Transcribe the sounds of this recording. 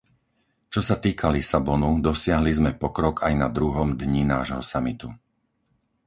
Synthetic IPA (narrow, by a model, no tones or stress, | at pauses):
t͡ʃɔsat̪iːkʰalisabɔnud̪ɔsɪaɦlizmɛpɔkɾɔɡajnad̪ɾuɦɔmd̪ɲinaːʒɦɔsamit̪u